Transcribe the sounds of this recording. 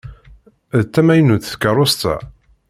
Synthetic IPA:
ðt̪ːæmæjnuθθkəɾˤost̪æ̰

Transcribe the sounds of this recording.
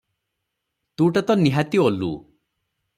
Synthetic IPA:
t̪ũʈat̪ɔniɦat̪iɔlṵ

